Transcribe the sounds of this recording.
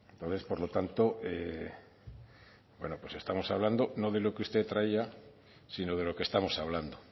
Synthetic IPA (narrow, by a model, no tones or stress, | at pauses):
ent̪onθe̞spoɾlo̞t̪ant̪oʔe | bwe̞̰nopwe̞sest̪amo̞saβ̞land̪onoðe̞lokeust̪et̪ɾaia | sinoð̞e̞lo̞kest̪amo̞saβland̪o